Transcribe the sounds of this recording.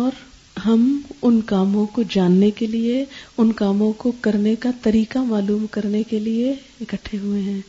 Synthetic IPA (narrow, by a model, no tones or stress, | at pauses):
ɔːɾ | ɦɐmʊnkaːmõkod͡ʒaːnːekelieʊnkaːmõkokɐɾnekat̪ɐɾiːkamaːluːmkɐɾnekelie | ɪkəʈʰːeɦʊeɦɛ̃ː